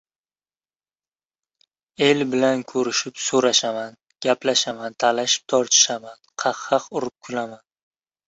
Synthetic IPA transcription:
e̞lbɪlankʰɵɾɪʃɪpsoɾaʃaman | ɡ̥ʲaplaʃamant̪ʰalaʃɪ̥p̚t̪ʰɒɾt̪ʰɪ̥ʃamanqʰɑqːɑqʊɾɪp̚kʰʊlaman

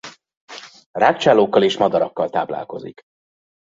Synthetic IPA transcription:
raːkt͡ʃaːloːkːɒleːʃmɒd̪ɒɾɒkːɒlt̪a̰ːbla̰ːlko̞̰zḭk

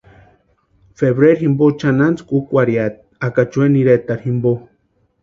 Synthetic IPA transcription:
feβɾeɾximbot͡ʃanant͡skukʷaɾjat̪̚akat͡ʃweniɾet̪aɾhimbo

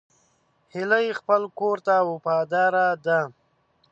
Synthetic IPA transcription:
hɪlajexpəlkoɾt̪awopɑd̪ɑɾad̪a

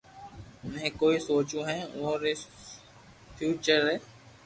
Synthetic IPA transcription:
ʊnɦẽːkoːisoːt͡ʃũːɦɛ̃ːʊɦõɾeː | fʰjuːt͡ʃəɾɦɛː

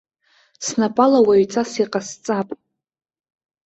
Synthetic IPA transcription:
snapʼalawaɥt͡sʰʼasiqʼast͡sʼapʼ

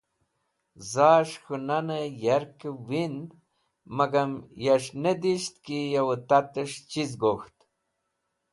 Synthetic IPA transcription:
zaʃxunanəjaɾkəwin | maɡamjaʃned̪iʃt̪kijawət̪at̪əʂt͡ʃizɡoxt̪

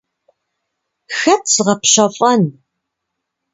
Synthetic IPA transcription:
xɐtʰsɨʁɐpɕɐfʼɐn

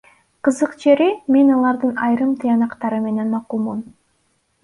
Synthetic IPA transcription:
qɯzɯqd͡ʒe̞ɾime̞nɑlˠɑɾd̪ɯnɑjɾɯmt̪ʰɨjɑnɑqt̪ɑɾɯme̞ne̞nmɑqulˠmum

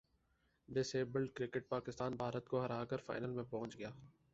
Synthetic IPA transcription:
ɖɪseːbəlɖkɾɪkɪʈ̚paːkɪst̪aːnbʱaːɾət̪koɦɐɾaːkəɾfa̰ːɪnəlmẽpɔɦʊ̃nt͡ʃɡɐjaː

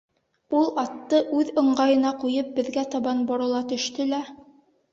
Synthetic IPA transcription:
ulˠɑt̪ːɤʔʉðɤ̆ɴɢɑjɤ̆nɑqujɤp̚bɘ̆ðɡæt̪ɑβɑnbŏɾɤ̆lˠɑt̪ɵ̆ʃt̪ɵlæ

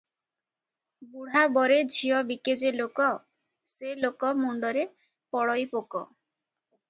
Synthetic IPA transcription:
buɽ̤abɔɾed͡ʒʱiɔbiked͡ʒelokɔ | selokɔmuɳɖɔɾe | pɔɽɔjpokɔ

